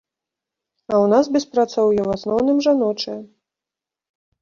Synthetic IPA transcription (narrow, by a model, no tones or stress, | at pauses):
ɐwnas̬bʲɛspɾat̪sɔwjɛwasnɔwnɨmʐanɔt͡ʂɛ